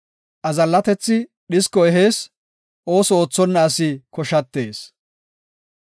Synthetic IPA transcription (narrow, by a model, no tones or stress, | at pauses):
ʔɐzɐlːɐt̪ɛt͡sːɪ | ɗɪskːɔɛɦeːs | ʔo̞ːsɔo̞ːt͡sːɔnːɐːsɪkɔʃɐt̪ːe̞ːs